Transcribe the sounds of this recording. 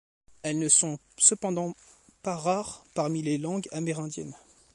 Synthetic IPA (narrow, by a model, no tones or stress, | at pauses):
ɛlnəsɔ̃ | səpɑ̃d̪ɑ̃ | paʁaʁpaʁmilelɑ̃ɡameʁɛ̃d̪jɛ̰n